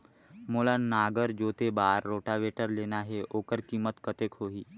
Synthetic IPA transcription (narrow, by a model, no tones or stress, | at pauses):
moːlanaːɡəɾd͡ʒoːt̪ebaːɾːoːʈaʋeːʈəɾleːnaɦɛoːkəɾkiːmət̪kət̪ekɦoːɦiː